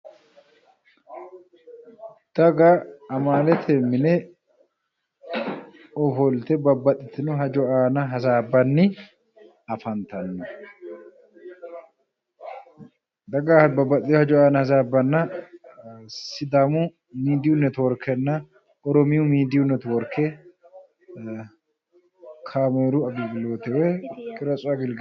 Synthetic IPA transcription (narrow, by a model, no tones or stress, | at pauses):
d̪̥ɐɡaɐmaːlɛt̪ʰemːɪnɛ | ɔfɔlt̪ɛbɐbːɐt̪ʼːɪt̪ɪnɔɦɐd͡ʒɔʔaːnɐɦɐzaːbːɐnːɪ | ɐfɐnt̪ɐnːɔ | d̪ɐɡaːhbɐbɐt̪ʼɪt̪hɐd͡ʒɔaːnɐhɐzaːbːɐnːɐ | sɪd̪amʊ | miːd̪ɪjʊnːɛt̪wɔɾkʰːɛnːɐ | ɔɾɔmɪjʊmiːd̪ɪjʊnːɛt̪ʊwɔɾkʰːɛ | kʰaːmeːɾʊɐbiːbɪlo̞ːt̪ɛwɛkʼɪɾɐt͡sʼʊɐɡɪl